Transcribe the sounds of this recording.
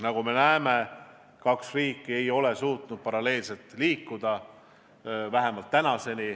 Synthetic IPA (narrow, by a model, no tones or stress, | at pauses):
nɑɡ̥ume̞næeme̞ | kɑksriːkːˑie̞jo̞le̞suːt̪nud̪̥̚pɑɾɑle̞ːlse̞lt̪liːkːud̪̥ɑ | væɦe̞mɑlt̪ːænɑse̞ni